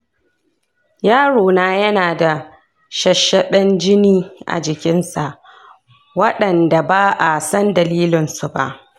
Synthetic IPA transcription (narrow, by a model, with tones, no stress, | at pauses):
jaː˦ɽoː˨naː˦jɐ˦naː˨da˨ | ʃɐ˨ʃɐ˦ɗɐ˦nd͡ʒɪ˦niː˦ʔa̰˨d͡ʒɪ˨kʲɪ˦nsa˨ʔ | wɐ˦ɗɐ˨nda˨baː˦ʔa˨sɐ˦ndɐ˨liː˦lɪ˨nsu˨ba̰˦ʔ